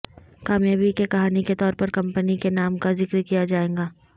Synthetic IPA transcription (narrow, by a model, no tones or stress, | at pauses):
kaːmjaːbikekɐɦaːniket̪ɔːɾpɐɾkɐ̃mpənikenaːmkazɪkɾkijad͡ʒaːẽːɡaː